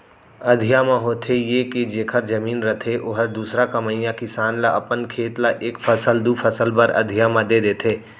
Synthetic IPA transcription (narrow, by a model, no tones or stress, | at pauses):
əd̪ʱijamãɦoːt̪ʰejeked͡ʒeːkʰəɾd͡ʒəmiːnɾət̪ʰeʔoɦəɾd̪uːsɾakəməɪjãkɪsaːnlaʔəpənkʰeːt̪laʔeːkpʰəsəld̪upʰəsəlbəɾə̰d̪ʱijamãd̪ed̪eːt̪ʰeː